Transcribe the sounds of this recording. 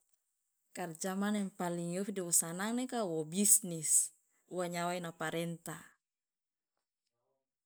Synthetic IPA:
kard͡ʒamanɛmpaliŋjofidiwɔsanaŋnekawɔbisnis | uwaɲawainapaɾɛnt̪a

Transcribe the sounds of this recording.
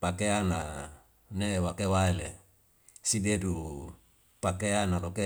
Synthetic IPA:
pakeana | newakewaele | sidedu | pakeanaloke

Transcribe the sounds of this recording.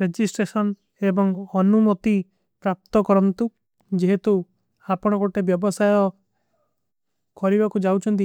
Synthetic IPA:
ɾed͡ʒisʈɾesɔn | ebɔŋɔnumot̪i | pɾap̚t̪ɔkɔɾɔnt̪u | d͡ʒeɦet̪u | apɔɽ̃ɔɡoʈebjɔbɔsajɔ | kɔɾibakud͡ʒawt͡ʃʰɔnt̪̬i

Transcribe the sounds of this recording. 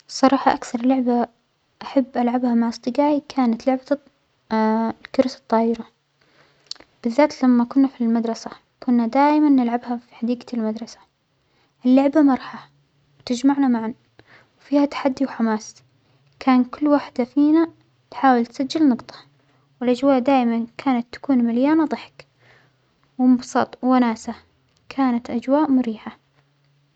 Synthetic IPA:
sˤɑɾˤɑːħɑʔakθɑɾˤlʊʕba | ʔaħabːʔalʕabhamaʕɑsˤt̪ˤɨɡaːʕikʰaːnat̪lʊʕba | lkʊɾsɑt̪ˤːɑːɪɾa | b̥ɪðːaːt̪lamːakʊnːafilmad̪ɾˤɑsa | kʊnːad̪aːʔɪmanːɪlʕabhafi̥ħad̪iːɡalmad̪ɾˤɑsḁ | ʔɪlːʊʕbamɑɾˤħa | wt̪ɪd͡ʒmaʕnamaʕan | wfiːhat̪ḁħad̪ːiwħamaːs | kʰaːnkʊlːwaħd̪afiːna | t̪ħaːwɪlt̪sad͡ʒːɪlnɑqt̪ˤʰɑ̥ | wɪlʔad͡ʒwaːʔd̪aːʔɪmankʰaːnat̪ːḁkuːnmaljaːnad̪ˤɑħɪ̥k | wɪmbsˤɑ̰t̪ˤwanaːsa | kʰaːnat̪ʔad͡ʒwaːʔmʊɾiːħa

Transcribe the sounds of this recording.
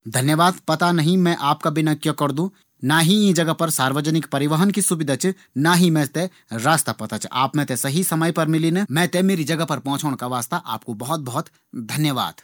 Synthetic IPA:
d̪ʱɐnjəʋaːd̪pɐt̪anɐɦĩmɛ̃ʔaːpkabɪnakjɐkɐɾd̪ũ | naːɦiĩd͡ʒɐɡəpɐɾsaːɾʋəd͡ʒənɪkpɐɾɪʋəɦənkisʊbɪd̪ʱət͡ʃ | naːɦimɛ̃ːt̪e | ɾaːst̪apɐt̪at͡ʃa̰ːpmɛ̃t̪esɐɦisɐməjpɐɾmɪlinemɛ̃ːt̪emeːɾid͡ʒɐɡəpɐɾpɔ̃ːt͡ʃʰoːɽ̃kaʋaːst̪aʔa̰ːp̚kobɐɦɔt̪̚bɐɦɔt̪ | d̪ʱɐnjəʋa̰ːd̪̥

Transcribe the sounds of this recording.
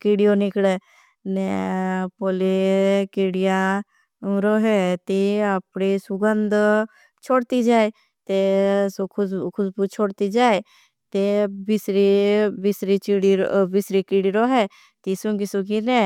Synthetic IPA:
kɪɽijonɪkɽe | nɛpoːlekiɽijã | ɾoːɦɛt̪iapɳisʊɡənd̪ | t͡ʃʰoːɽt̪id͡ʒaːe | t̪eskʰʊkʰʊsbut͡ʃʰoːɽt̪id͡ʒaːe | t̪ebisɾibɪsɾit͡ʃiɽibɪsɾikɪɽiɾoːɦɛ | t̪isʊŋɡisʊɡinɛː

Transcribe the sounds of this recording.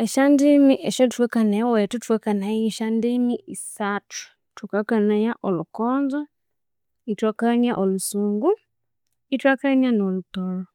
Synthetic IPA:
eʃandimiʔeʃotwekanewetutwɛkanajiʃandimiʔisatu̥ | tukakanajaʔolukoːnza | itwakaniaʔolusuːŋɡu | itwakanianolutolo

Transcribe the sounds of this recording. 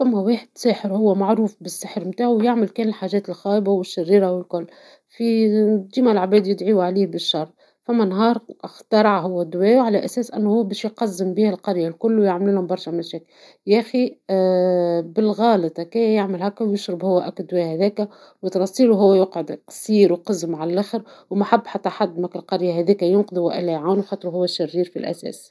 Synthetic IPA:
fæmːæweːħɪd̪̥saːħəɾhʊwːæmaʕɾuːfbɪsːɪħɾmt̪aːʕwjɪʕmɪlkɛːnɪlħaːʒɛːt̪ɪlxɑːʔbawɪʃːɪrːiːɾawɪlkʊlː | fid̪iːmælʕabɛːd̪jɪd̪ʕiːʕaliːhbɪʃːɑrˤː | fæmːænɦɑːɾˤʔɪxt̪ɑɾˤɑʕɦʊwːæd̪wɛːjʕalæʔæsɛːsʔɪnːhʊwːbɛːʃjqɑzːɪmbiːhɪlqɑɾjalkʊlːwjaʕmlulhʊmbɑɾˤʃæmæʃɛːkl | jæxi | bɪlɣɑːlɨt̪ˤkæːjjɪʕmɪlhækːæwjʊʃɾɪbhʊwːæʔækd̪wɛːhæðæːkæ | wət̪ɾˤɑsˤiːluɦʊwːæjʊqʕʊd̪qɑ̥sˤiːɾwqɑzːəmʕalælæxɾwmaħabːħat̪ːæħad̪ːmækɪlqɑɾjahæðiːkæjʊnqd̪ˤuwæʔɪlæʕaːnwxɑːt̪ˤɾuɦʊwːæʃːɪrːiːɾfilʔæ̰sɛ̰ːs

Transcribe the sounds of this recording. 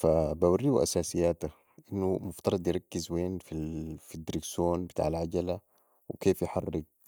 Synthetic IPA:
fabawarːiːwʔa̰saːsijːaːt̪a | ʔinːumʊft̪ɑɾˤɑd̪ˤjɪɾˤɑkːizweːnfifid̪ɾiɡsoːnbit̪a̰ːʕalʕaɟala | wikeːfjɪħɑ̰rˤːɪɡ̚

